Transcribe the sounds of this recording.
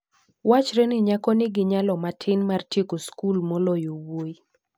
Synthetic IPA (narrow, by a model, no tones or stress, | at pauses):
wat͡ʃɾɛnɪɲakɔnɪɡɪɲalɔmatʰɪnmartjekoskulmolojowoji